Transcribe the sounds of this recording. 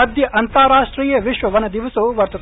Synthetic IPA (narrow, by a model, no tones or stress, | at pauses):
ɐd̪ʱjɐʔɐnt̪ɐɾaːʂʈɾiːjɐʋiʃʋɐʋɐnɐd̪iʋɐsuʋɐɾt̪ɐt̪